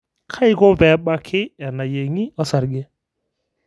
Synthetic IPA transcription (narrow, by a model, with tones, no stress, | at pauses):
kʰa˦i˦kɔ˦pɛ˨˦ɓa˦kʰɪ˦ɛ˨na˨je˨ŋi˦ɔ˦sa˨ɾɡɛ˦